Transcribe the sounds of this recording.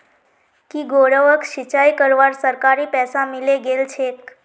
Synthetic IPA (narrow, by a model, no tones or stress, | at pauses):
kiɡoɽəʋəkʃit͡ʃajkəɾʋaɾsəɾkaɾipɛsamileɡelt͡ʃʰek